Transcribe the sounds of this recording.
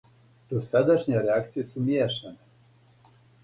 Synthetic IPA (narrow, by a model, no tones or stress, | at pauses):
d̪̥osad̪aʃɲeɾeakt̪sijesumjeʃane